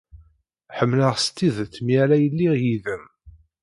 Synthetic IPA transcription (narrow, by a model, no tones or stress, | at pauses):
ħəmːləʁst̪ːiðt̪ːmiælæjəlːiʁjiðəm